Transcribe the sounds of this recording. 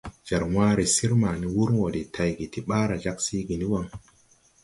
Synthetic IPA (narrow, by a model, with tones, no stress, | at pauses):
d͡ʒa˨ɾmaː˦ɾe˨si˦ɾma˨ni˦wu˦ɾwo˨de˨tʰa˨jɡi˨ti˦ɓa˦ɾa˨d͡ʒa˦ksi˦ɡi˨ni˦wa˦ŋ